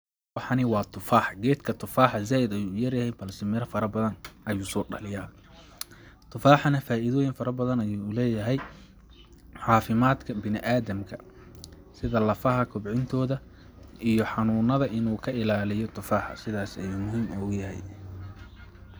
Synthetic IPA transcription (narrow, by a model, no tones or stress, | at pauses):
wɑħɑnɪwɑːt̪ʰʊfaːħɡɛːd̪kʰɐt̪ʰʊfaːħɑzaːɪd̪ɐjuːʊjɐrjɐhɛjbɐlsɪmɪɾɐfɐɾɐbɐðɐnʔɐjuːsɔːɖɐ̰lɪjaː | t̪ʰʊfaːħɑnɐfaːʔɪðɔːjɪnfɐɾɐbɐðɐnɐjuːlɛːjɐɦɛj | ħɑːfɪmaːd̪kʰɐbɪnɪʔaːðɐmkʰɐ | sɪðɐlɐfɐɦɐkʰʊbʕɪnt̪ʰɔːðɐ | ijɔħɑnuːnɐðɐʔɪnuːkʰɐɪlaːlɪjɔt̪ʰʊfaːħɑ̰sɪðaːsɐjuːmʊɦiːmɔɣʊjɐɦɛ̰j